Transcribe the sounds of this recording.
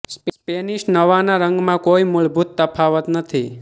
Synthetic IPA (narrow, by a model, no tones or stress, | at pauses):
spspeniʃnəʋanaɾə̃ŋɡmãkoimuɭbʱut̪ːəpʰaʋət̪nət̪ʰi